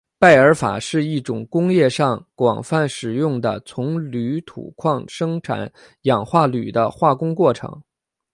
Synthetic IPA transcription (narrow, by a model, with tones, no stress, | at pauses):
pa˥˩ɪə˞˧˥fa̰˨˩ʂɻ̩˥˧i˥˩ʈ͡ʂʊ˨˩ŋkʊ˥ŋjɛ˥˧ʂɑ˥˩ŋkwɑ̰˨˩ŋfa˥˩nʂɻ̩˨˩jʊ˥˩ŋd̪ə˩t͡sʰʊ˧˥ŋly˧˥t̪ʰṵ˨˩kʰwɑ˥˩˧ŋʂɤ˥ŋʈ͡ʂʰa̰˨˩˦n | jɑ˨˩ŋxwa˥˩ly̰˨˩d̪ə̰˦xwa˥˩kʊ˥ŋkwɔ˥˩ʈ͡ʂʰɤ̰˧˥ŋ